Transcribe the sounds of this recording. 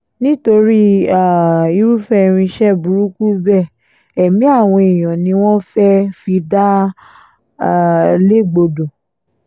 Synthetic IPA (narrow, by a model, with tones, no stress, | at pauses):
nĩ˦to˧ɾi˦a˦˨i˧ɾu˦fɛ˦˨ɾ̃ĩ˧ʃɛ˦bu˨˦ɾu˦ku˦bɛ˦˨ | ɛ˨mĩ˨˦a˦˨w̃ɔ̃˧i˨j̃ɔ̃˨nĩ˧˦w̃ɔ̃˦fɛ˦fi˧da˦˨ | le˦˨ɡ͡bo˧do˨